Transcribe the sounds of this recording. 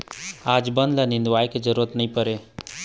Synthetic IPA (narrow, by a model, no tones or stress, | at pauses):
ad͡ʒbənd̪lanɪ̃nd̪ʋajked͡ʒəɾuːɾət̪nəɦĩpəɾe